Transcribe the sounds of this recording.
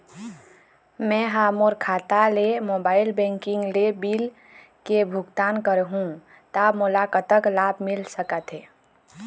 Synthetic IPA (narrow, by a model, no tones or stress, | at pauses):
mɛ̃ɦamoɾkʰat̪alemobailbɛ̃ŋkĩŋɡlebil | kebʱuɡt̪ankəɾɦũ | t̪amolakət̪əklabʱmilsəkət̪ɦe